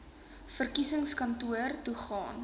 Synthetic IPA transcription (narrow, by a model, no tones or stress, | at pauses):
fərkisəŋskɐntuərtuχɑːn